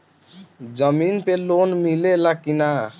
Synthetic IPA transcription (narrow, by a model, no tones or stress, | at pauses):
d͡ʒʌminpelonmilelakina